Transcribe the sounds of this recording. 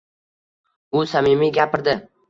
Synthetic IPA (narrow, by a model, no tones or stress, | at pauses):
ʊsamɪmiɡʲapʰɪɾd̪ɪ